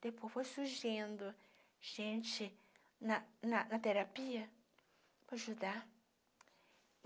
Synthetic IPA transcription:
t̪epofosuʒend̪o | ʒ̥ẽnt͡ʃe | nãnãnãt̪eɾapia | poʒuða

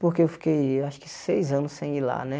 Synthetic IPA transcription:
poɾkeewfi̥kejwaʃʊ̥kɪsejzɐ̃nʊsẽj̃ila̰nɛ

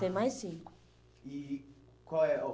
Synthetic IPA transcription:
emãjsĩ | i | kɔɛɔ

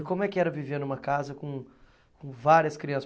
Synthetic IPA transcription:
kõmʊɛkɪɛɾɐviveɾnũmɐkazɐkõ | kõvaɾiɐskɾiɐ̃sɐ

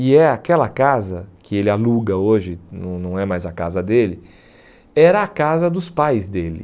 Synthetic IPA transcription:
ɪɛakɛlɐkazɐkʰɪelɪaluɡɐoʒɪnɐ̃w̃nɐ̃w̃ɛmajzɐkazɐd̪elɪ | ɛɾɐakazɐd̪ʊspajzd̪elɪ̰

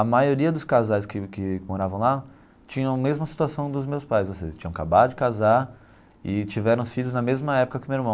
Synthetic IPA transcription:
ɐmajoɾiɐd̪ʊskazajskɪkɪmoɾavɐ̃w̃la | t͡ʃĩɲɐ̃w̃mezmɐsi̥t̪uasɐ̃w̃d̪ʊzmewspajszvoseʒɐst͡ʃĩɲɐ̃w̃kabad̪ʊd͡ʒɪkazaɾ | ɪt͡ʃivɛɾɐ̃sfiʎʊznɐmezmɐɛpʊ̥kɐkɪmeiɾmɐ̃w

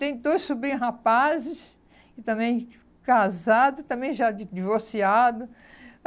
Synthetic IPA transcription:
t̪ẽj̃d̪ojssubɾĩɦapazɪs | ɪt̪ɐ̃mẽj̃ | kazad̪ʊt̪ɐ̃mbẽj̃ʒad͡ʒɪd͡ʒivoɾsiad̪ʊ

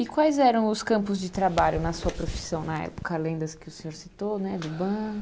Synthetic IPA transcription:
ɪkwajzɛɾɐ̃w̃ʊskɐ̃mpʊzd͡ʒɪt̪ɾabaʎʊnɐsuɐpɾofi̥sɐ̃w̃nɐɛ̰po̥kɐlẽd̪ɐskɪʊsẽɲoɾsit̪onɛd̪ʊbɐ̃

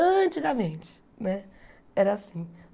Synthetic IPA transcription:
ɐ̃t͡ʃiɡɐmẽt͡ʃɪ̥ | nɛ | ɛɾɐasĩ

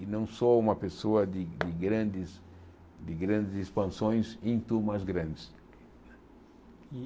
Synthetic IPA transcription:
ɪnɐ̃w̃sɔũmɐpesoɐd̪ɪd̪ɪɡɾɐ̃nd̪ɪs | d̪ɪɡɾɐ̃nd̪ɪzispɐ̃nsõj̃sẽt̪umazɡɾɐ̃nd̪ɪs | nɛ

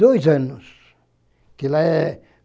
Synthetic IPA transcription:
oisenːus | kilæe

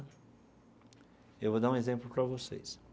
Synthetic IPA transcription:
ewvod̪aɾũezẽmplʊpɾɐvosḛjs

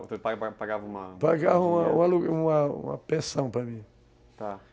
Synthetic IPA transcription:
t̪epapaɡavɐũmɐpaɡavɐũmɐũɐluũmɐṵ̃mɐ̰pɾesɐ̃w̃pɾɐmĩ | t̪a

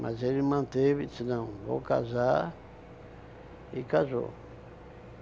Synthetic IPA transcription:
mʔazelimɐ̃nt̪evisinɐ̃w̃vo̰ka̰za | ikazo̰

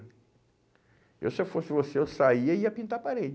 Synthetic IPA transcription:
ḛwsefosɪvoseewsaiɐiɐpĩnt̪apaɾed͡ʒ

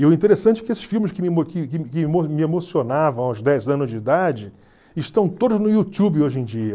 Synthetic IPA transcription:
iʊĩnt̪eɾesɐ̃nt͡ʃɪ̥kɪesɪ̥ʃfiwmɪskɪmɪmokɪkɪkɪmomɪemosionavɐ̃w̃ãw̃zd̪ɛzɐ̃nʊzd͡ʒɪid̪ad͡ʒɪ | ɪʃt̪ɐ̃w̃t̪od̪ʊznʊiut̪ubɪoʒẽd͡ʒiɐ

